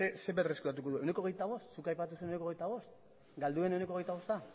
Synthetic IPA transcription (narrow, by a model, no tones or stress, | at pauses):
ese̞βereskuɾat̪uko̞ðuene̞ko̞ɣe̞jt̪aβ̞o̞st̪sukajpat̪̬usuenoneko̞ɣejt̪aβ̞o̞st̪̚ | ɡald̪ue̞ne̞wne̞ko̞ɣe̞jt̪aβo̞st̪a